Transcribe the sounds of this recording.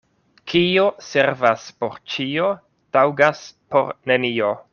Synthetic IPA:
kʰiose̞ɾvaspo̞̰ɾt͡ʃio̞ | tawɡaspo̞̰ɾne̞nio̞

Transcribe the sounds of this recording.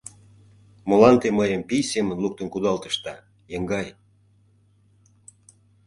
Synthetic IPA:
molɑnt̪eməjəmpijsemənluk̚t̪ə̆nkud̪ɑlt̪ə̥ʃt̪ɑ | jeŋɡɑj

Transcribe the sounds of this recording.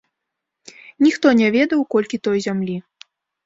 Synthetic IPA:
nʲixt̪ɔnʲɛvʲɛd̪ɐwkɔlʲkʲit̪ɔjzʲamlʲi

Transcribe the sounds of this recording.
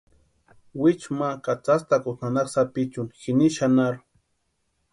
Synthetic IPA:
wɪt͡ʃmakat͡sast̪akʊnanaksapɪt͡ʃʊnxɪnɪʃanaɾʊ

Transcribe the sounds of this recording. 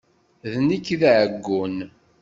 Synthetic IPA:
ðnikːðʕəɡːun

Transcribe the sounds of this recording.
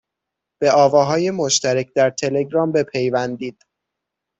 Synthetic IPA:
b̥e̞ʔɒːvɒːɦɒːjemo̞ʃt̪æɾæcʰd̪æɾt̪ʰe̞le̞ɡɾɒːmbe̞pʰe̞jvænd̪iːd̪̥

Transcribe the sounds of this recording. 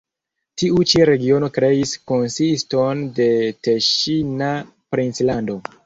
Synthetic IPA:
tiut͡ʃiɾe̞ɡio̞no̞kɾe̞isko̞nsisto̞nde̞teʃina | pɾint͡slando̞

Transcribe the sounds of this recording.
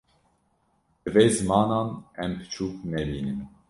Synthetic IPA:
bɨveːzɨmɑːnɑːnɛmpɨ̥t͡ʃʰuːk̚nɛbiːnɨm

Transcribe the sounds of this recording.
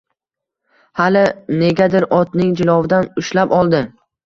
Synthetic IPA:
halɪne̞ɡʲad̪ɪɾʔɒt̪nɪŋd͡ʒɪlɒvɪd̪anʊʃlapɒlˠd̪ɪ

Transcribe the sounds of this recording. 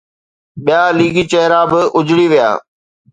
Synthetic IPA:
ɓɪjaːliːɡit͡ʃɐɦɪɾabɪʔʊd͡ʑɽiʋɪja̰ː

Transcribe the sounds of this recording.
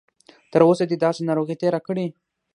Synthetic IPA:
t̪əɾosad̪id̪ɑsenɑɾoɣit̪eɾakəɽi

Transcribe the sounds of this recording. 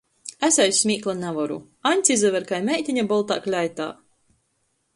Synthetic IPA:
æsʲɛjsʲsʲmʲiːklˠanavɔɾṵ | anʲt̪sʲizɛvʲɛɾkajmʲɛjt̪ʲiɲʲabɔlˠt̪a̰ːklʲajt̪a̰ː

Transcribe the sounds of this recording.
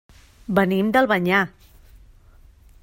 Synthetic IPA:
bənimd̪əlˠβəɲa

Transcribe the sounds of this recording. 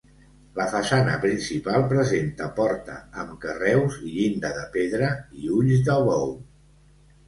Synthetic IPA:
ləfəsanəpɾinsipalˠpɾəzent̪əpɔɾt̪ə̰ːmkərɛwziʎind̪əðəpeðɾəiuʎzðəlβɔw

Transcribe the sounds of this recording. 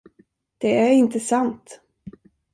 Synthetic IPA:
d̪̥ɛæɾɪnt̪əsant̪

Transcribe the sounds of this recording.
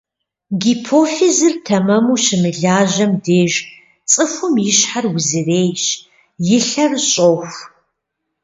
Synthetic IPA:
ɡipʰoːfizɨrtʰɐmɐmuːʃɪmɨɮaːʒɐmdeːʒ | t͡sʼɨfʷʊmjɪɕħarwʊzɨreːjɕ | jɪɬɐrɕʼoːxʷ

